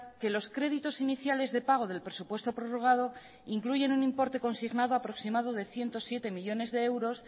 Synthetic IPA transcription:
ke̞lo̞skɾe̞ðit̪o̞siniθjale̞zðepaɣ̞o̞ð̞e̞lpɾe̞supwe̞st̪o̞pɾo̞ro̞ɣ̞að̞o̞ | iŋkluʝe̞nunimpo̞ɾt̪e̞ko̞nsiɣnað̞o̞apɾo̞ksimað̞o̞ðe̞θje̞nt̪o̞sje̞t̪e̞miʎo̞ne̞zðe̞ewɾo̞s

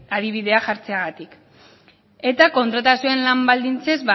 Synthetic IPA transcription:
aðiβ̞iðe̞axaɾt͡se̞aɣat̪ik | e̞t̪ako̞nt̪ɾat̪asioenlambald̪int͡se̞zβa

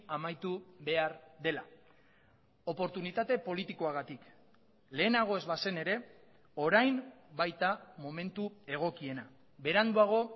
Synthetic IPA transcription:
amajt̪uβe̞aɾðe̞la | o̞po̞ɾt̪unit̪at̪e̞po̞lit̪iko̞aɣat̪ik | le̞ːnaɣ̞o̞e̞zβase̞ne̞ɾe̞ | o̞ɾajmbajt̪amo̞me̞nt̪ue̞ɣ̞o̞kie̞na | be̞ɾand̪uaɣ̞o̞

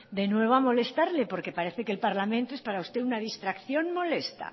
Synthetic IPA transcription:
d̪e̞nwe̞β̞oamo̞le̞st̪aɾle̞po̞ɾke̞paɾe̞θe̞kelpaɾlamẽnt̪oespaɾaust̪e̞unað̞ist̪ɾakθjo̞nmo̞le̞st̪a̰

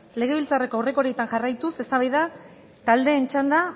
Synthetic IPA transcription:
le̞ɣ̞e̞βilt͡sare̞koawre̞ko̞ɾiet̪aŋʝarajt̪use̞st̪aβajða | t̪ald̪e̞ːnt͡ʃand̪a

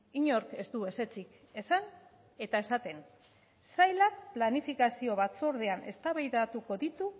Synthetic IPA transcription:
iɲo̞ɾke̞st̪ue̞se̞t͡sik | e̞san | e̞t̪ae̞sat̪e̞n | sajlak̚planifikasio̞βat͡soɾð̞e̞ane̞st̪aβajðat̪uko̞ðit̪u

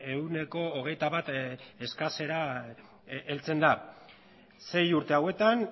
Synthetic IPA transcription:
e̞une̞ko̞ːɣ̞e̞jt̪aβat̪e̞skase̞ɾa | elt͡se̞nd̪a | se̞juɾt̪e̞awe̞t̪an

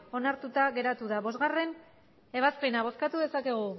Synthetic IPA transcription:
o̞naɾt̪ut̪aɣe̞ɾat̪uðaβo̞zɣare̞n | e̞β̞aspe̞naβ̞o̞skat̪uðe̞sake̞ɣu

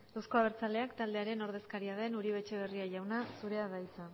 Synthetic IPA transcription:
awsko̞aβ̞e̞ɾt͡sald̪e̞akt̪ald̪eaɾe̞no̞ɾðeskaɾiaðe̞nuɾiβ̞e̞t͡ʃe̞β̞e̞riaʝawnasuɾe̞aðaisa

